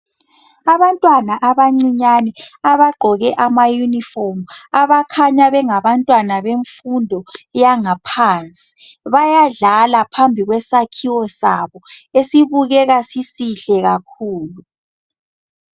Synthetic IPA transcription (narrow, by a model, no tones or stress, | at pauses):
aβantʼwanaʔaβaŋ͡ǀiɲanɛaβaɡ͡ǃʱɔɣɛʔamajunifɔrmuaβakʰaɲaβɛŋaβantʼwanaβeɱfundʱɔjaŋapʰant͡sʼi̥βajaɮalapʰambʱiɣwɛsakʰiwɔsaβɔesiβuɣɛɣasisiɬɛɣakʰuːlu